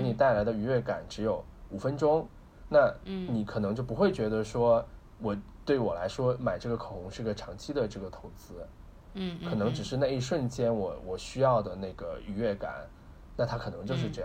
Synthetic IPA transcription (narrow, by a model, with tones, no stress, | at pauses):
ɤ˧˥n˨˩t̪a˥˩ɪla˧˥ɪd̪ə˧y˧˥ɥɛ˥˩ka̰˨˩˦nʈ͡ʂɻ̩˧˥jo˨˩ʊ | u˨˩fə˥nʈ͡ʂʊ˥ŋ | na˥˩ni˨˧˩kʰɤ˨˩nɤ˧˥ŋt͡ɕjo˥˩ʊp̬u˧˥xwe˥˩ɪt͡ɕɥɛ˧˥d̪ə˧ʂwɔ˥ | wɔ˨˩˦t̪we˥˩ɪwɔ˨˩la˧˥ɪʂwɔ˥ma˨˩ɪʈ͡ʂɤ˥˩ɡə˩kʰo˨˩ʊxʊ˧˥ŋʂɻ̩˥˩˧ɡə˨ʈ͡ʂʰɑ˧˥ŋt͡ɕʰi˥d̪ə˨ʈ͡ʂɤ˥˩ɡə˩t̪ʰo˧˥ʊt͡sɹ̩˥ | kʰɤ˨˩nɤ˧˥ŋʈ͡ʂɻ̩˨˩ʂ̬ɻ̩˥˧na˥˧ɪi˥˧ʂwə˥˩nt͡ɕjɛ˥nwɔ˨˩wɔ˨˩ɕy˥jɑ˥˩ʊd̪ə˩na˥˩ɪɡə˩y˧˥ɥɛ˥˩ka̰˨˩˦n | na˥˩t̪ʰa˥kʰɤ˨˩nɤ˧˥ŋt͡ɕjo˥˧ʊʂ̬ɻ̩˥˧ʈ͡ʂɤ˥˧jɑ˥˧